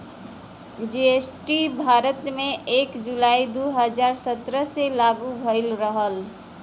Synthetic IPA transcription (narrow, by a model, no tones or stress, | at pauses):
d͡ʒeesʈibʱaɾət̪meekd͡ʒulaid̪uɦəd͡ʒaɾsət̪ɾəselaɡubʱəɪlɾəɦəl